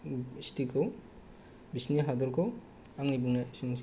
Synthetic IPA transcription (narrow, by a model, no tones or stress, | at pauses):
istʰikʰow | bisniɦad̪ɔɾkʰo | aŋnibuŋnasiŋs